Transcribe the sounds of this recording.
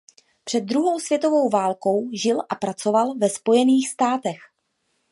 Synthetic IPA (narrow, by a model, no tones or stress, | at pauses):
pr̥ɛd̪̚ːɾuɦo̞wsv̥jɛt̪o̞vo̞wvaːlko̞wʒɪlʔapɾat͡so̞valvɛspo̞jɛniːxst̪aːt̪ɛx